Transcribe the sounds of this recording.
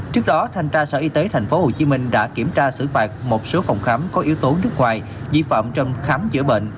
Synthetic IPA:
t͡ɕɨ˦˥ək̚ɗɔ˨˦t̪ʰa˧jŋ̟t͡ɕaː˧səː˧˩˨ʔi˨˧˦t̪e˨˦t̪ʰa˨˩jŋ̟fo˨˦ho˨˩t͡ɕi˨˦mï˧ŋ̟ɗa̰ː˧˥ki˧˩əmt͡ɕaː˧sɨ̰˧˨faː˨˩t̚mo˨˩t̚so˨˦fa˨˩wŋ͡mxaː˨˦mkɔ˨˦ʔi˨˦əwt̪o˨˦nɨ˦˥ək̚ŋwaː˨˩j | zi˧fa̰ː˧˨mt͡ɕɔ˧wŋ͡mxaː˨˦mzɨ̰˧˥əɓḛ˧˨nʔ

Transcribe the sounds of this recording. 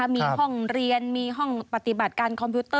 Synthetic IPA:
a˦˥miː˧hɔ˥˩ŋɾi˧ənmiː˧ɦɔ˥˩ŋpa˨˩t̪i˨˩ba˨˩t̪̚kaː˧nkʰɔ˧mpʰjuː˦˥t̪ɤː˥˩

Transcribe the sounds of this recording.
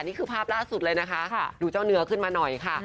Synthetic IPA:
niː˥˩kʰɯː˧pʰaː˥˩p̚laː˥˩su˨˩t̪̚lɤː˧jna˦˥kʰa˦˥ʔduː˧t͡ɕaː˥˩wnɯ˦˥ɐkʰɯ˥˩nmaː˧nɔ˨˩jkʰa˥˩

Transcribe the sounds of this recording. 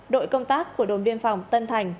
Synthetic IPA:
ɗo̰˧˨jkə˧wŋ͡mt̪aː˦˥kːu˧˩əɗo˨˩˦nɓi˧ənfa˨˩wŋ͡mt̪ə˧nt̪ʰa˨˩jŋ̟

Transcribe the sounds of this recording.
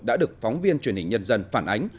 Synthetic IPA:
ɗa̰ː˧˥ɗɨ˨˩ək̚fɔ˨˦wŋ͡mvi˧ənt͡ɕwi˧˩ənhï˨˩ŋ̟ɲə˧nzə˧nfaː˧˩nʔa˨˦jŋ̟

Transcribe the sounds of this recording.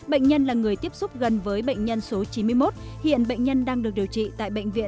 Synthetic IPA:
ɓə̰˧˨jŋ̟ɲə˧nlaː˨˩ŋɨ˨˩əjt̪i˦˥əp̚sʊ˦˥p̚ɣə˨˩nvəː˨˦jɓə̰˧˨jŋ̟ɲə˧nso˨˦t͡ɕi˨˦mɨ˧əjmo˦˥t̚ | hḭ˧˨ənɓə̰˧˨jŋ̟ɲə˧nɗaː˧ŋɗɨ˨˩ək̚ɗi˨˩əwt͡ɕḭ˧˨t̪a̰ː˧˨jɓə̰˧˨jŋ̟vḭ˧˨ə

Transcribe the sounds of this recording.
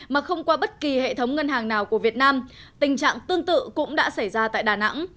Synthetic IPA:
maː˨˩xə˧wŋ͡mkwaː˧ɓə˦˥t̚ki˨˩hḛ˧˨t̪ʰə˨˦wŋ͡mŋə˧nɦaː˨˩ŋnaː˨˩wku˧˩əvi˨˩ət̚naː˧mt̪ï˨˩ŋ̟t͡ɕa̰ː˧˨ŋt̪ɨ˧əŋt̪ɨ̰˧˨kʊ̰˧˥ŋ͡mɗa̰ː˧˥sa˧˩jzaː˧t̪a̰ː˧˨jɗaː˨˩na̰˧˥ŋ

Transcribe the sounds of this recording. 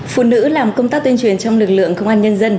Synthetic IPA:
fṵ˧˨nɨ̰˧˥laː˨˩mkə˧wŋ͡mt̪aː˦˥k̚t̪i˧nt͡ɕwi˨˩ənt͡ɕɔ˧wŋ͡mlɨ˨˩k̚lɨ̰˧˨əŋkə˧wŋ͡mʔaː˧nɲə˧nzə˧n

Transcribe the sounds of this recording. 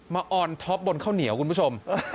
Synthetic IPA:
maː˧ʔɔː˧nt̪ʰɔ˦˥p̚bo˧nkʰaː˥˩wni˨˩˦wku˧npʰu˥˩t͡ɕʰo˧m

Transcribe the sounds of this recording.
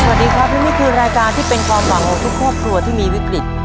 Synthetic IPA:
so˨˩˨diː˦˧kʰɾa˦˥p̚niː˦˥miː˥˩kʰɯː˧ɾaː˧jkaː˧nt̪ʰiː˥˩pe˧nkʰwaː˧mwa˨˩˦ŋkʰɔː˩˦ŋt̪ʰu˦˥kʰːɾɔː˥˩p̚kʰlu˧ɐt̪ʰiː˥˩miː˧wi˦˥kɾi˨˩t̪̚

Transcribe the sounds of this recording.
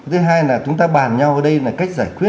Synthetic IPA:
t̪ʰɨ˨˦ɦaː˧jlaː˨˩t͡ɕʊ˨˦ŋ͡mt̪aː˧ɓaː˨˩nɲa˧wʔəː˧˩ɗə˧jlaː˨˩ka˦˥jk̟̚zaː˧˩jkwi˦˥ə

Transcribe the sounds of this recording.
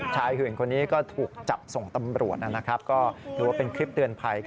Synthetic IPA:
t͡ɕʰaː˧jhɯ˨˩˦nkʰo˧nːiː˦˥kɔː˥˩t̪ʰuː˨˩k̚t͡ɕa˨˩p̚so˨˩ŋt̪a˧mɾu˨˩ət̪̚ʔa˦˥˩na˦˥kʰɾa˦˥p̚kɔː˥˩t̪ʰɯː˧˦wa˥˩pe˧nkʰɾi˦˥p̚t̪ɯ˧ənpʰa˧j

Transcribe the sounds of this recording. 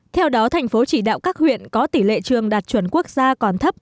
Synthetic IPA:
t̪ʰɛ˧wɗɔ˨˦t̪ʰa˨˩jŋ̟fo˨˦t͡ɕi˧˩ɗa̰ː˧˨wkaː˦˥k̚hwḭ˧˨ənkɔ˨˦t̪i˧˩lḛ˧˨t͡ɕɨ˨˩əŋɗaː˨˩t̚t͡ɕwə˧˩nku˦˥ək̚zaː˧kɔ˨˩nt̪ʰə˦˥p̚

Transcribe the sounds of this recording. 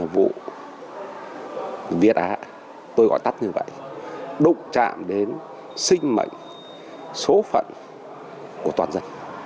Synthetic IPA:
vṵ˧˨ | vi˨˩ət̚ʔaː˨˦ | t̪o˧jɣɔ̰˧˨jt̪a˦˥t̚ɲɨ˧və̰˧˨jɗʊ̰˧˨ŋ͡mt͡ɕa̰ː˧˨mɗe˨˦n | sï˧ŋ̟mə̰˧˨jŋ̟ | so˨˦fə̰˧˨n | ku˧˩ət̪waː˨˩nzə˧n

